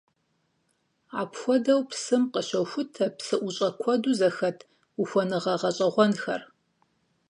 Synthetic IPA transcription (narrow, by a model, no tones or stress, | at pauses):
aːpxʷɔdɐwpsɨmqəɕɐwxʷʊtʰɐpsɨʔʷʊɕʼɐkʷʰɔduzɐxɐtʰ | uxʷɔnɨʁɐʁɐɕʼɐʁʷɔnxɐr